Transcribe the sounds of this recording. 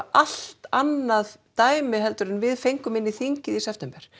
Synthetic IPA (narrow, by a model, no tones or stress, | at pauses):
ʔal̥t̪anːaðt̪aːjmɪɦɛlt̪ʏɾɪnvɪðfejŋkʏmɪnːiθiɲcɪðisɛft̪ʰɛmpɛɾ̥